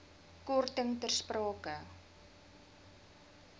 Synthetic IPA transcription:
kurt̪əŋt̪ərsprɔːkə

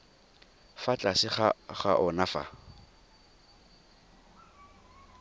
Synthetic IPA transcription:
fat͡ɬʼasɪχaχa̰ʔɔnafa̰

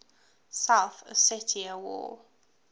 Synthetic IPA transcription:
sawθə̰sɛtʰiəwɔ̰

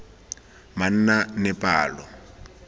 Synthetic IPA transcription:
man̩nanɛpʼaːlɔ

